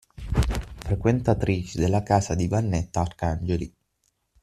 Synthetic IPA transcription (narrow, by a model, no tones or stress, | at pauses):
fɾekwent̪at̪ɾiːt͡ʃid̪elːakaːsad̪ivanːet̪ːaːrkand͡ʒeli